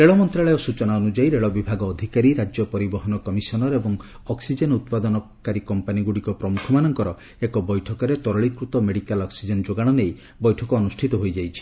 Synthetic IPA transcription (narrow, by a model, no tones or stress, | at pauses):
ɾeɭɔmɔnt̪ɾaɭɔjɔsut͡ʃɔnaɔnud͡ʒajɾeɭɔbibʱaɡɔːd̪ʱikaɾiɾad͡ʒjɔpɔɾibɔɦɔnɔkɔmisɔnɔɾebɔŋ | ɔksid͡ʒenut̪̚pad̪ɔnɔkaɾikɔmpaniɡuɽikɔpɾɔmukʰɔmanɔŋkɔɾɔ | ekɔbɔjʈʰɔkɔɾet̪ɔɾɔɭikɾut̪ɔmeɽikalɔksid͡ʒend͡ʒoɡaɽ̃ɔnej | bɔjʈʰɔkɔːnusʈʰit̪ɔɦojd͡ʒajt͡ʃʰi̥